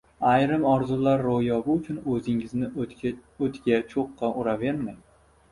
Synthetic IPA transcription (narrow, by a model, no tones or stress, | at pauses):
ajɾɪmɒɾzʊlaɾːojɒbɪʊt͡ʃʰʊnɵzɪŋɪznɪ | ɵt̪ɡʲat͡ʃʰoqːɑʔʊɾave̞ɾmaj